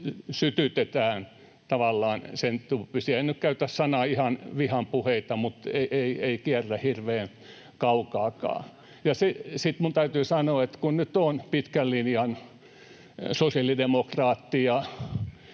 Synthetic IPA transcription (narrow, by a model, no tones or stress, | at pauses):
syt̪yt̪et̪æːn | t̪ɑʋɑlːɑːnsent̪upysiænnykkæyt̪æssɑnɑihɑnʋihɑmpuheit̪ɑmut̪eiʔeieikiærːæhirʋeːn | kɑukɑːkɑ̰ː | jɑsesit̪munt̪æyt̪yːsɑnoːet̪kunnyt̪onpit̪kællinjɑn | sosiɑlidemokrɑːt̪ːijɑ